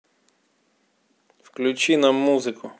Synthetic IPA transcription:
wklʲut͡ʃinɐmuzɪkʰʊ

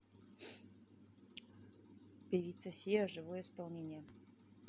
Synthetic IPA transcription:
pʲevʲit̪səsʲijəʐɨvojəispɐlˠnʲenʲɪjə

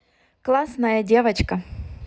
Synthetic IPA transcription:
klˠasnɐjɐdʲe̞vɐt͡ɕkɐ

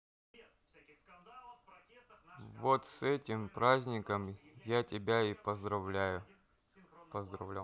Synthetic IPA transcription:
vot̪sɛtʲɪmpɾazʲnʲɪkəmjatʲɪbʲaipəzd̪ɾɐvlʲæjʊ | pəzd̪ɾɐ̰vlʲa

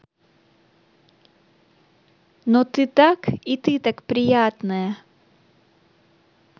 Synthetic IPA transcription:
not̪ɨt̪akit̪ɨt̪akpɾʲɪjat̪nəjə

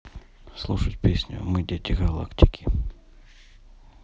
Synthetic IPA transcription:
slˠuʂətʲpʲesʲnʲʊ̰mɨdʲetʲɪɡɐlˠa̰ktʲɪ̥kʲʰɪ

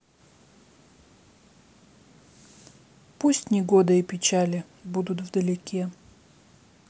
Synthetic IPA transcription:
pusʲtʲnʲɪɡod̪əipʲɪt͡ɕalʲɪ | bud̪ʊt̪vd̪əlʲɪkʲʰe

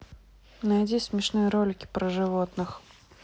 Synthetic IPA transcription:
najd͡zʲisʲmʲɪʂnɨjəɾolʲɪkʲɪ̥pɾəʐɨvot̪nɨx

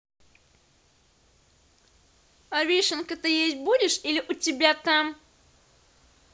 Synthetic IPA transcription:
ɐvʲiʂɨnkət̪ɨjesʲt̚ʲbudʲɪʂilʲɪʔʊtʲɪbʲat̪am

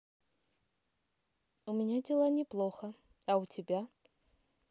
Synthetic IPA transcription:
umʲɛnʲad͡zʲɛlˠanʲɛplˠɔxɐ | ɐwt͡sʲɛbʲa

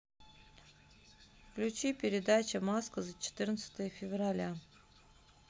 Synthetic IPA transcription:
fklʲut͡ɕipʲɪɾʲɪd̪at͡ɕəmaskəzət͡ɕɪ̥t̪ɨrnət̪sə̥t̪əjəfʲɪvralʲa

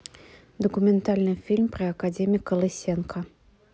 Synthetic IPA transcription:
d̪əkumʲɛnt̪alʲnɨfʲilʲmpɾɨɐkad͡zʲemʲiikɐlˠɨsʲenkʰɐ

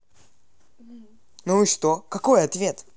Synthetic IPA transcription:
nuiʂt̪okɐko̞jɐt̪vʲe̞t̪

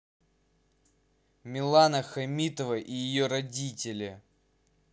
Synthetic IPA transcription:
mʲɪlˠanəxɐmʲit̪əvəʔijɪjoɾɐdʲitʲɪlʲɪ

